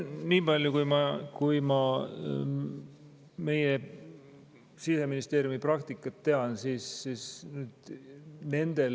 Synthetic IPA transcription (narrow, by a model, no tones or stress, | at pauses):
niːb̥ɑlʲjukujmɑkujmɑ | me̞je | sise̞minist̪e̞ːɾjumiprɑkt̪ikːˑɑt̪ːe̞ɑnsisːiːsnyːd̪̥ne̞nd̪̥e̞l